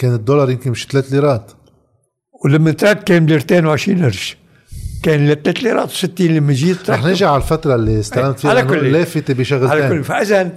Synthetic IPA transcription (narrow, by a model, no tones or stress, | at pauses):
keːnɪd̪ːoːlɑɾˤjɪmkɪnmɪʃt̪leːt̪liːɾˤɑːt̪ | wlamːant̪ɾˤɑkkeːnbliːɾt̪eːnwʕɪʃɾiːnʔɪɾʃ | keːnlat̪leːt̪liɾˤɑ̰ːt̪wsɪt̪ːiːnlamːaʒiːt̪ɾˤɑħnɪʒiʕalfat̪ɾˤɑlːiɪst̪alamt̪fiːalanʊlːeːfɪt̪ebiʃaɣlʕeːʊlːfaʔɪzan